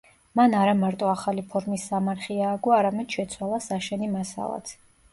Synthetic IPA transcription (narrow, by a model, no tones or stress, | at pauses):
manaɾamaɾt̪ʼɔaχalipʰɔɾmisːamaɾχiaːɡuaɾamɛd̪̥ʃɛt̪sʰwalˠasaʃɛnimasa̰lˠa̰t̪ʰ